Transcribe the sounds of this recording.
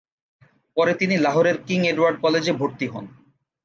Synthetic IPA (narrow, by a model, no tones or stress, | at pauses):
pɔɾet̪inilaɦoɾeɾkiŋeɖwaɾɖ̚kɔled͡ʑebʱoɾt̪iɦɔ̰n